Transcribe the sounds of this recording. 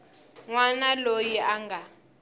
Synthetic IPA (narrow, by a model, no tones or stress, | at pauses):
ŋwanalojiʔaŋɡʱa